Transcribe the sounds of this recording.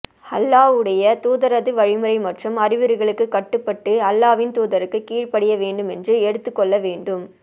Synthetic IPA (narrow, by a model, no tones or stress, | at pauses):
ɐlːaːʋɯɽɐjɐt̪uːðɐɾɐðɯʋɐɻɪmɯɾɐɪmɐʈrɐmɐɾɪʋɯɾɯɣɐɭɯkːɯkːɐʈːɯpːɐʈːɯɐlːaːʋɪnt̪uːðɐɾɯkːɯkiːɻpɐɽɪjɐʋeːɳɖɯmɛndrɯɛɽɯt̪ːɯkːɔɭːɐʋeːɳɖɯm